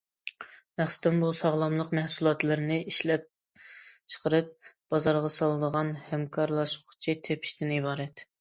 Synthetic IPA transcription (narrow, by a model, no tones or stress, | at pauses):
mæχsɨ̥d̪ɪnbusɑʁlˠɑmlˠəqmɛhsulˠɑt̪lˠɨɾɪnɪʔiʃlɛp̚ | t͡ʃʰə̥qʰəɾɨp̚b̥ɑzɑɾʁɑsɑlˠɨd̪əʁɑnhɛmkʰɑɾlˠɑʃʊχt͡ʃʰit̪ʰepʰɪ̥ʃt̪ɪnibɑːɾɛt̪